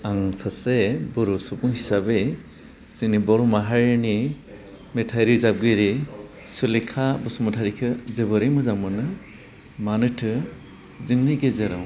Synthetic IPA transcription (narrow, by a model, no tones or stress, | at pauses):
aŋsʰasebɯɾusupuŋhisabe | sinibɔɾumaɦaɾɯni | metʰajɾizab̚ɡɯɾi | sulekʰabɔsumɔtʰaɾikʰɯzebɯɾejmɯzaŋmɯnɯ | manɯtʰɯ | ziŋniɡezeɾaw